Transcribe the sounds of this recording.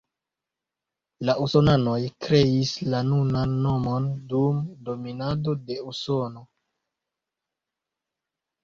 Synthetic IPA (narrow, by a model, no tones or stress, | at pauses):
laʔuso̞nano̞jkɾe̞islanunanːo̞mo̞ndumdo̞minado̞de̞uso̞no̞